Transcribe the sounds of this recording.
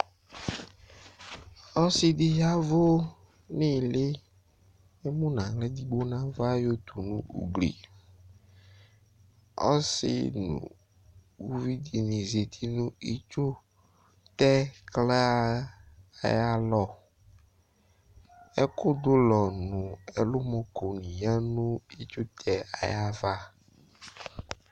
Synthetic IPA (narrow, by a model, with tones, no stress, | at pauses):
ɔ˦sɪ˦di˦ja˦vo˦ | nĩ˦˨lɪ˦ | e˦mũ˦nã˨le˦d̪i˦ɡ͡bo˦nã˦va˦jo˦t̪u˨nũ˦ṵ˨ɡlḭ˨ | ɔ̰˦sɪ̰˦nṵ̃˨ | wu˦vi˦di˨nĩ˨ze˨t̪ʰi˦nũ˦ḭ˦t͡ʃo˦ | t̪ɛ˦klɛ˦a˦ | a˨ja˦lɔ˦ | e˦ko˦d̪o˦lɔ˨nũ˨e˨lo˦mɔ̃˦˨ko˨nĩ˨ja˦nũ˦i˦t͡ʃo˦t̪ʰɛ˨a̰˨ja˦va˦